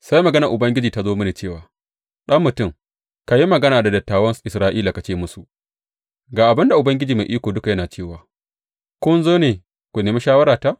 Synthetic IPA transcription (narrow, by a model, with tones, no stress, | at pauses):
sa˦jmɐ˨ɡɐ˦nɐ˨ʔʊ˨bɐ˦ŋɡʲɪ˦d͡ʒiː˨ta˦zoː˦mɐ˦neː˨t͡ʃeː˦˨waː˨ | ɗɐ˦mːʊ˨tʊ˦˨ŋ | ka˨ji˦mɐ˨ɡɐ˦naː˨da˨dɐ˨tːaː˨wɐ˦nsʔɪ˨sɾaː˦ʔiː˦la˨ka˨t͡ʃeː˦˨mʊ˦su˨ʔ | ɡaː˨ʔa˨bɪ˦nda˨ʔʊ˨bɐ˦ŋɡʲɪ˦d͡ʒiː˨ma˨ʔiː˦kʷoː˨dʊ˦ka˨jɐ˦naː˨t͡ʃeː˦˨waː˨ | kʷʊ˦nzoː˦neː˨ | kʷu˨neː˨mi˦ʃaː˦wɐ˦ɾaː˨ta˦ʔ